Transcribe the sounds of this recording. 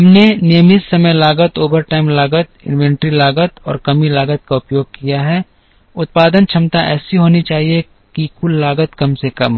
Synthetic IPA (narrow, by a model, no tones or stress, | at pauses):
ɦɐmnenɪjəmɪt̪sɐməjlaːɡət̪oːbəɾʈaːɪmlaːɡət̪̚ɪ̰̃nwɛ̃ːɳʈɾilaːɡət̪ɔ̰ːɾkɐmilaːɡət̪̚kaʊpjoːɡ̚kijaɦɛ | ʊt̪̚paːd̪ənt͡ʃʰɐmt̪aʔɛ̰ːsiɦoːnit͡ʃaːɦie | kikʊlːaːɡət̪kɐmsekɐm